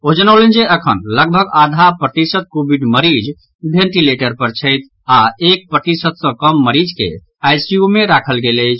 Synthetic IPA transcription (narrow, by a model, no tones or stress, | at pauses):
od͡ʒənəwlend͡ʒeəkʰənləɡbʱəɡad̪ʱapɾət̪isət̪̚kobiɖməɾid͡ʒ | bʱẽɳʈileʈəɾpəɾt͡ʃʰəjt̪̚ʰ | aek̚pɾət̪isəd̪̚sə̃kəmːəɾid͡ʒkḛ | ajsiumeɾakʰəlɡeləjt͡ʃʰ